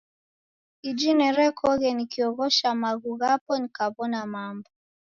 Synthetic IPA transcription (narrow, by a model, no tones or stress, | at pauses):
id͡ʒinɛɾɛkʰɔɣɛnikiɔɣɔʃamaɣuɣapɔnikaβɔnamambɔ